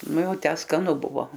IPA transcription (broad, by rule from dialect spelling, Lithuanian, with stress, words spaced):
ˈnʊ ˈjɛʊ ˈtʲæː skɐˈnʊ ˈbʊʋoː